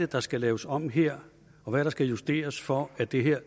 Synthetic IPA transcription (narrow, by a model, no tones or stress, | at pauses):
ed̥ɑ̈sɡ̥ælɛːʊəsɒ̽m̰ɦeɐ̰ | ɒ̽ʋæɾ̥ɑ̈sɡ̥æjusd̥e̝̰ːɐsfɒæd̥e̝ɦeɐ̰